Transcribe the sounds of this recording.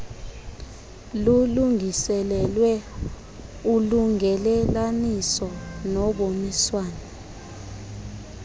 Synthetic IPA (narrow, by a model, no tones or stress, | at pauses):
luluŋɡʱisɛlɛlwɛ | uluŋɛlɛlanisɔnɔɓomiswaːnɛ